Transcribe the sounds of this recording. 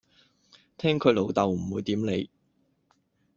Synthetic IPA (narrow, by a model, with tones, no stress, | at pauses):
t̪ʰɛː˥ŋkʰɵ˨˧ɥlo˨˧wt̪ɐ˨wm̩˨˩wuː˨˧jt̪iː˨˥mne˨˧j